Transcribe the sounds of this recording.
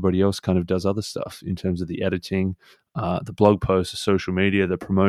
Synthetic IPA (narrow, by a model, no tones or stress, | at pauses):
bɑɾiɛlˠskʰãɪ̃ndʌvdʌzʌðə˞stʌ̰fɨ̃ntʰɜ̃˞mzʌvðiʔɛɾɨɾɪ̃ŋ | ðəblʌɡ̚pʰoʊstə̥soʊʃl̩ˠmiɾiɨðɨpʰɹ̥əmoʊ